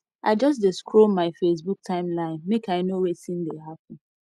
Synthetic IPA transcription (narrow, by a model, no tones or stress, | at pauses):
ʔaɪd͡ʒʌs̬dɪskʰɹomaɪfes̬buk̚tʰãɪ̃mlãɪ̃nmekaɪnowesĩndeɦap̚ə̃n̩